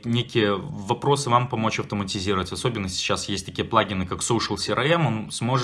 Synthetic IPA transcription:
nʲekʲɪjəvɐpɾo̞sɨvampɐmo̞t͡ɕɐft̪əmətʲɪzʲiɾəvətʲɐso̞bʲɪnːəsʲɪ̥t͡ɕːasjesʲtʲt̪ɐkʲijəplˠaɡʲɪnɨkaksowʂəlˠsʲɪɾʔɐɛmonsmo̞ʐɨ

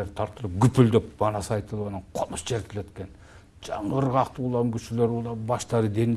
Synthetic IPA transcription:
ɾt̪ʰɑɾt̪əlˠəp̚ɡʲʏpɪld̪ɪpbɑnɑsəɑjt̪əlˠwɑnɑɴqʰʊməsd͡ʒʰeɾt̪ʲʰɪlet̪kʲen | ʒ̥ɑɴɑəɾʁɑqt̪əʊlˠɑmkʲʰʏʃɪleɾulˠɑbɑʃt̪ɑɾəd̪e̞n

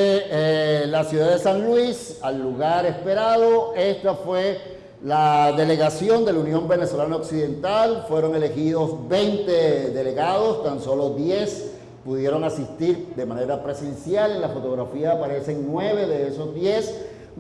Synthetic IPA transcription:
e | lasjuðaðe̞sanlwisalːuɣaɾe̞spe̞ɾaðo̞e̞st̪afwe̞ | laðe̞le̞ɣasjo̞nd̪e̞launjõ̞mbe̞ne̞so̞lanaoksiðẽ̞nt̪alfwe̞ɾo̞ŋe̞le̞xið̞o̞sbe̞jnt̪e̞ðe̞le̞ɣaðo̞st̪anso̞lo̞d̪je̞s | puðje̞ɾo̞ŋasist̪iɾd̪e̞mane̞ɾapɾe̞se̞nsjalenlafo̞t̪o̞ɣ̞ɾafiaːpaɾe̞se̞ŋnwe̞β̞e̞ðe̞eso̞zd̪je̞s

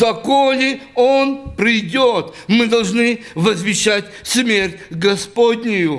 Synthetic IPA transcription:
zɐkolʲɪonpɾʲɪjdʲot̪mɨd̪ɐlˠʐnɨvəzvʲɪɕːatʲsmʲerʲtʲɡɐspodʲnʲɪjʊ

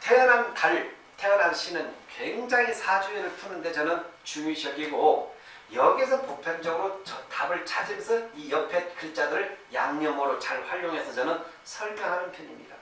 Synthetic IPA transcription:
tʰenanaɭ | tʰejʌnanɕʰinɯnkweŋd͡ʑaŋisʰad͡ʑuinɯɭtʰunɯnde̞t͡ɕʌnɯnt͡ɕuŋiɕʰʌɡiɡo | jʌɡisʰʌnpopʰjʌnd͡ʑʌɡɯɾot͡ɕʌtʰabɯɭt͡ɕʰad͡ʑimsʰʌijʌpʰe̞t̚kʰɯɭt͡ɕ͈adɯɾɯɭjaŋɲʌmʌɾot͡ɕaɭɸwaʎːoŋɦe̞sʰʌt͡ɕʌnɯn | sʰʌɭmʰʌŋɦanɯnpʰjʌɲimɲḭda

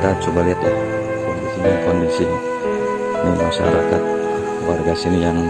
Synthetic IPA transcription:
t̪at͡ʃubaliɦat̪ja | kɔndisinaŋkɔndisi | məmaʃa̰ɾakat̪̚ | kwarɡasinijaŋ

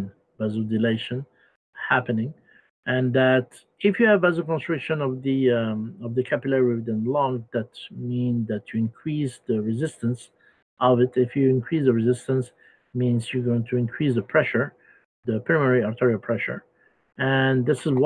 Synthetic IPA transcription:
n | bæzəldɨleɪʃɨ̃n | hæpɨnɪ̃ŋ | ʔɨ̃nðæt | ɪfjɨːvæzəl̩ˠkɔ̃nstɹ̥ɪkʃɨ̃nʌvðiʌvðɨkʰæpɨlɛɹɪvdə̃nlɔ̃ŋðæt̚mĩnðætʰɨɪ̃nkʰɹ̥isðəɹɨzɪstə̃ns | ʔʌvɨtɪfjɨɪ̃nkʰɹ̥isðəɹɨzɪstə̃ns | mĩnzjə˞ɡoʊɪ̃ŋtʰɨɪ̃nkʰɹ̥isðəpʰɹ̥ɛʃə˞ | ðəpʰɹamɛɹiɑɹtʰɛɹilˠpʰɹ̥ɛʃə̰˞ | ɨ̃nðɪsɨzw

